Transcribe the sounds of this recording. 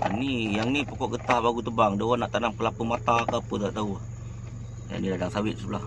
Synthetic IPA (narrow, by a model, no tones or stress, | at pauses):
a̰nijaŋnipəkɔʔɡət̪ahbaɡut̪əbaŋdəwanaʔt̪anamkəlapəmat̪akapət̪aʔt̪auah | ja̰ŋnidadaŋsawɪt̪̚səlah